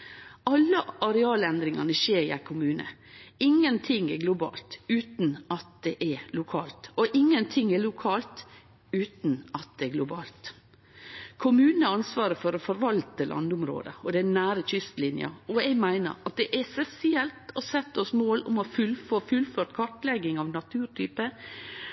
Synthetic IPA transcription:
ɑlːəɑɾɛɑːlɛnd̪ɾɪŋɑnəʃeːɾæ̰ɪkʰʊmʉːnə̰ɪŋːənt̪ʰɪŋːɛɾɡlʊbɑ̰ːlt̪ʉːt̪nɑt̪̚d̪ɛʔɛlʊkʰɑːlt̪ɔʔɪŋːənt̪ʰɪŋːɛlʊkʰɑːlt̪ | ʉːt̪nɑt̪̚d̪ɛɛɡlʊbɑ̰ːlt̪ | kʰʊmʉːnəɑnsʋɑːɾəfɔɾɔfɔɾʋɑlt̪əlʔɑ̰nd̪ʊmɾo̰ːd̪ə̰ɔd̪ɛnæːɾətʏst̪lɪnjɑ̰ɔɛɡmæɪnə̰ɾɑt̪̚d̪ɛʔɛsɛsɪɛlt̪ɔsɛt̪ːəɔsmoːlʊ̰mɔfʉlfofʉlføːʈkʰɑʈlɛɡɪŋɑʋnɑt̪ʰʉːɾʈʰyːpə

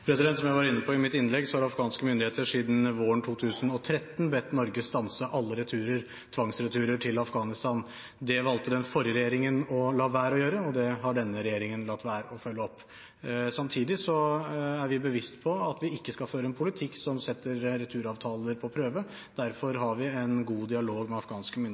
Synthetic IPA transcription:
pʰɾɛsɪd̪ɛnt̪sɔmjæɪʋɑɾɪnːəpʰɔɪmɪt̪ːɪnlɛɡsɔhɑɾɑfɡɑːnskəmʏnd̪ɪeːt̪əʂiːd̪n̩ʋoːəɳʈ̪ʰuːt̪ʰʉːsənɔt̪ʰɾɛt̪ːn̩bɛt̪ːnɔɾɡəst̪ɑnsəʔɑlːəɾɛt̪ʰʉːɾəɾ | t̪ʰʋɑŋsɾɛt̪ʰʉːɾəʈʰɪlɑfɡɑːnɪst̪ɑn | d̪ɛʋɑlt̪əd̪ɛnfɔɾjəɾɛjeːɾɪŋənɔlɑːʋæːɾɔjøːɾəɔd̪ɛɦɑɖɛnːəɾɛjeːɾɪŋənlɑt̪ːʋæːɾəɔfœlːəɔpː | sɑmt̪ʰiːd̪ɪsɔæɾʋɪbəʋɪst̪pʰɔɑt̪ʋɪɪkːəskɑføːɾəɛnpʰʊlɪt̪ʰɪkːsɔmsɛt̪ːəɾɾɛt̪ʰʉːɾɑːʋt̪ʰɑːləɾpʰɔpʰɾøːʋə | d̪̥æɾfɔɾɦɑɾʋɪɛnɡuːd̪ɪɑloːɡmɛɑfɡɑːnskəmʏn

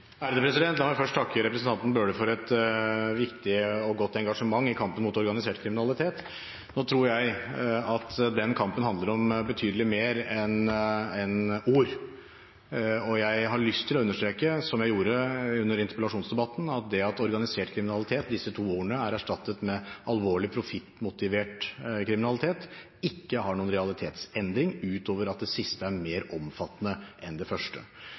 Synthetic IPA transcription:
æɾd̪əpʰɾɛsɪd̪ɛnt̪ɑmæfœʂʈt̪ʰɑkːəɾɛpɾəsnt̪ɑnt̪n̩bøːɖəfɔɾɛt̪ʋɪkt̪ɪɔɡɔt̪ːɛŋɡɑʂəmɑŋːɪkʰɑmpənmʊːt̪ɔɾɡɑnɪseːʈkʰɾɪmɪnɑlɪt̪ʰeːt̪ | noːt̪ʰɾuːɾjæɪɑt̪d̪ɛnkʰɑmpənhɑnd̪ləɾɔmbət̪ʰyːd̪əlɪmeːɾɛnɛnuːɾ | ɔjæɪɦɑɭʏst̪ʰɪlɔʉnːəʂt̪ɾeːkəsɔmjæɪjuːɾəʉnːəɾɪnt̪ə̥pəlɑʂuːnsd̪ɛbɑt̪ːnɑt̪̚d̪ɛɑt̪ɔɾɡɑnɪseːʈkʰɾɪmɪnɑlɪt̪ʰeːt̪̚d̪ɪsːət̪ʰuːuːɾəɳəæɾæʂʈɑt̪ːət̪mɛɑlʋoːɭɪpʰɾʊfɪt̪ːmʊt̪ɪʋeːʈkʰɾɪmɪnɑlɪt̪ʰeːt̪ | ɪkːəhɑɳuːənɾɛɑlɪt̪ʰeːt̪sɛnd̪ɾɪŋʉːt̪oːʋəɾɑt̪̚d̪ɛsɪst̪əæɾmeːɾɔmfɑt̪ːnəʔɛnd̪ɛfœʂʈə̰

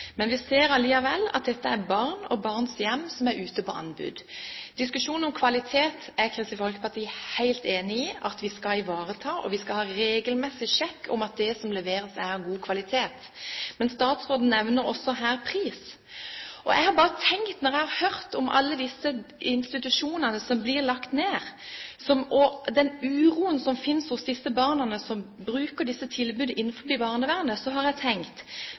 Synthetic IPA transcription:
mɛnʋɪseːɾɑliːɑʋɛlːɑ̰t̪̚d̪ɛt̪ːəæbɑʁnɔ̰bɑʁnsjɛmːsɔmæɾʔʉːt̪əpɔʔɑ̰nbʉ̰ːd̪d̪̥ɪskʉʃuːnɔmkʰʋɑlɪt̪ʰeːt̪æʁkʰɾɪst̪ɪfɔlkəpɑʁt̪ʰiːhæɪlt̪eːnɪiːʔɑt̪ʋɪskɑɪʋɑːʁət̪ʰɑːʔɔ̰ʋɪskɑhɑːɾeːɡəlmɛsɪʃɛkːɔ̰mɑt̪̚d̪ɛsɔmlɛʋeːɾəsæʁɡuːkʰʋɑlɪt̪ʰeːt̪ | mɛnst̪ɑːt̪sʁoːd̪n̩nɛʋnəɾɔsːɔɦæːʁpʰʁiːs | ʔɔ̰jæ̰ɪhɑɾbɑːʁət̪ʰɛŋkt̪nɔɾʁjæɪhɑʁhœʁt̪ɔmʔɑ̰lːəd̪ɪsːəɪnst̪ɪt̪ʉʂuːnənəsɔmblɪʁlɑkt̪neːʁsɔmɔd̪ɛnʉːʁuːənsɔmfɪnsɔsd̪ɪsːəbɑːʁnənəsɔmbɾʉːkəɖɪsːət̪ʰɪlbʉːd̪əʔɪnːnfɔbiːbɑːʁnəʋæʁnəsɔɦɑʁjæɪt̪ʰɛŋkt̪

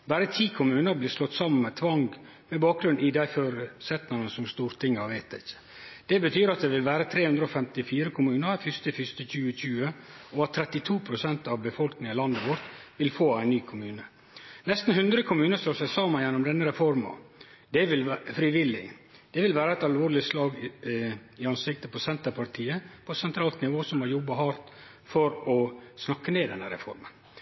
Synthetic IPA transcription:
bæɾət̪ʰiːkʰʊmʉːnəɾbliːʂlɔt̪ːsɑmːənmɛt̪ʰʋɑŋɡ | mɛbɑːk̚ɡɾʉnʔɪd̪æɪføːɾəsɛt̪nɑnəsɔmst̪uːɾt̪ʰɪŋːɑʋæɪt̪̚d̪ɪçːə̥ | d̪̥ɛbət̪ʰyːɾɑt̪̚d̪ɛʋɪlʋæːɾət̪ʰɾeːhʉnd̪ɾəɔfɛmt̪ɪfiːɾəkʰʊmʉːnəɾfʏst̪əfʏst̪əçʉːəc͡çʉːəɔɑt̪ʰːɾɛt̪ːɪt̪ʰuːpʰɾʊsɛnt̪ɑʋbəfɔlknɪŋɑlɑnd̪əʋɔɾt̪ʋɪlfoːæɪnnyːkʰʊmʉːnə | nɛst̪n̩hʉnd̪ɾəkʰʊmʉːnəsloːsæsɑːməjɛnːʊmd̪ɛnːəɾɛfɔɾmɑ̰ | d̪̥ɛʋɪlfɾɪʋɪlːɪ | d̪̥ɛʋɪlʋæːɾəæɪt̪ɑlʋoːɾlɪslɑːɡ | ɪɑnsɪk̚t̪əpʰɔsɛnt̪əɾpʰɑɾt̪ʰiːəpʰɔsɛnt̪ʰɾɑːlt̪nɪʋoːsɔmhɑɾjɔbːɑhɑɾt̪ | fɔɾɔsnɑkːəneːd̪ɛnːəɾɛ̰fɔ̰ɾmən

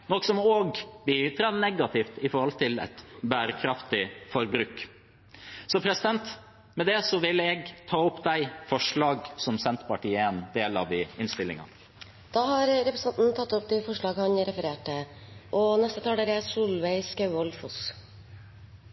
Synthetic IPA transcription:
nɔkːsɔmoːɡbit̪ʰɾɑd̪nɛɡɑt̪ʰɪft̪ɪfɔɾhɔlt̪ʰɪlɛ̰t̪bæːɾəkʰɾɑft̪ɪfɔɾbɾʉk | sɔpʰɾɛsɪd̪ɛnt̪ | mɛd̪ɛsɔʋɪlɛɡt̪ʰɑːɔpd̪æɪfɔʂɭɑːɡsɔmsɛnt̪pɑʈʰiːəɛnd̪eːlɑʋ̪ɪɪnst̪ɪlːɪ̰ŋɑ̰ | d̪̥ɑːhɑɾɾɛpɾəsɑnt̪n̩t̪ʰɑt̪ːɔpd̪ɛfɔʂɭɑːɡhɑɲɾɛfəɾeːʈəʔɔnɛst̪ət̪ʰɑːɖ̪ɛɾɛsuːlʋæɪskɑʉɔlfʊs

